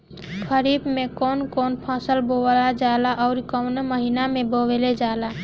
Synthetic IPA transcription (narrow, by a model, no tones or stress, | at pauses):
kʰəɾibmẽkɔːnkɔːnpʰasəlbowlad͡ʒalaʔɔʊɾkəwnməɦinamẽboweled͡ʒaːla